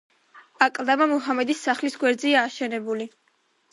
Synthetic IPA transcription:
akʼlˠd̪amamuɦamɛd̪isːaχlisɡwɛɾd̪ziaːʃɛnɛbuli

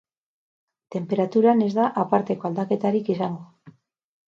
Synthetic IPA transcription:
t̪e̞mpe̞ɾat̪uɾane̞zðaʔapaɾt̪e̞ko̞ald̪ake̞t̪aɾikisaŋɡo

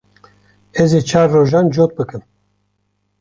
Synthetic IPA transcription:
ɛzeːt͡ʃʰaːɾːoːʒaːnd͡ʒoːt̪̚bɨkɨn

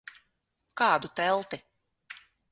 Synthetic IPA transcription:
kaːd̪ut̪ɛlˠt̪i

